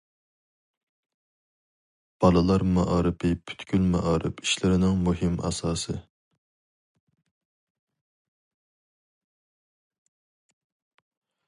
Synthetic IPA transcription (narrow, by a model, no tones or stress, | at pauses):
b̥ɑlˠɨlˠɑɾmɑʔɑːɾɨpʰɪpʰy̥t̪kʲylmɛ̰ʔɑːɾɪ̰pi̥ʃlɪɾɪnɪŋmuɦɪmɑ̰sɑːsɨ